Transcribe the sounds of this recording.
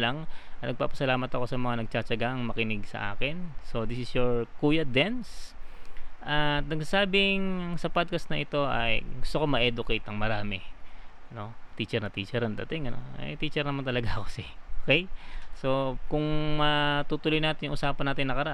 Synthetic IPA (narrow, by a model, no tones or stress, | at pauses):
lɐŋɐt̪nɐɡ̚paːpɐ̥sɐlaːmɐt̪ɐko̞sɐmɐŋanɐɡ̚t͡ʃat͡ʃɐɡaɐŋmɐkɪnɪɡsɐ̰ʔa̰ːkɪnso̞d̪isɪsjoɹkuːjɐd̪ɛns | ʔɐt̪̚nɐɡsasaːbɪŋɐŋsɐpad̪̚kɐsnɐʔɪt̪o̞ʔɐ̰jɡʊst̪ʊko̞mɐʔɛd̪ʊkejt̪ɐŋmɐɾaːmɛ | no̞t̪iːt͡ʃɛɾnɐt̪iːt͡ʃɛɾɐnd̪ɐ̰t̪ɪŋɐno̰nɐ̰jt̪iːt͡ʃɛɾnɐmant̪ɐlɐɡaɐkosɪʔokɛjso̞kʊŋmɐt̪uːt̪ʊlojnaːt̪ɪnjʊŋʔʊsaːpɐnaːt̪ɪnːɐkɐɾɐʔ